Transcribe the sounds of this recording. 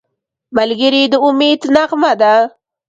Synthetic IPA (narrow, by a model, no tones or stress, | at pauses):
malɡəɾid̪əʊmed̪naqmad̪a